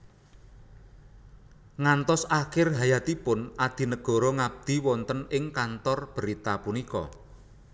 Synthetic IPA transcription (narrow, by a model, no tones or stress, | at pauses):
ŋant̪ɔsakɪrɦajat̪ipʊnʔad̪̥i̤nəɡ̥ɔ̤ɾɔŋab̚d̪̥i̤wɔnt̪ənɪŋkant̪ɔrb̥əɾit̪apunikɔ̰